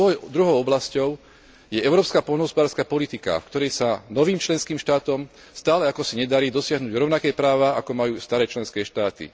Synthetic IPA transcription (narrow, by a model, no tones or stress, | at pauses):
d̪ɾuɦɔʊɔblascɔʊ | jɛɛʊɾɔːpskaːpɔlnɔɦɔspɔd̪aːɾskaːpɔlit̪ika̰fkt̪ɔɾɛjsanɔʋiːmt͡ʃlɛnskiːmʃt̪aːt̪ɔm | st̪aːlɛakɔsiɲɛd̪aɾiːd̪ɔsɪaɦnuːɟɾɔʊnakɛjpɾaːʋaakɔmajuːst̪aɾɛːt͡ʃlɛnskɛːʃt̪aːt̪ḭ